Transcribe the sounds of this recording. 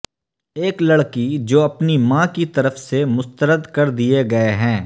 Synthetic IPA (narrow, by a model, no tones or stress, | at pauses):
eːklɐɽkid͡ʒoːɐpnimãːkit̪ɐɾəfsemʊst̪əɾəd̪kɐɾd̪ieɡɐeɦɛ̃ː